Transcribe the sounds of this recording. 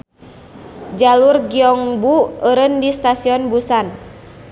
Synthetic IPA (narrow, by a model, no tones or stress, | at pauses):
d͡ʒalurɡiɔŋbuəɾəndist̪asiɔnbusan